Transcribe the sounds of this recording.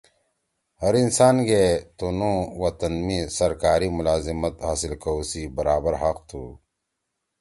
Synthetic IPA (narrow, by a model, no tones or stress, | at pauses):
hɐɾinsaːnɡet̪unũːwɐt̪ɐnmisɐɾkaːɾimʊlaːzimət̪ɦaːsɪlkɐːsibɐɾaːbəɾɦɐqt̪ʰuː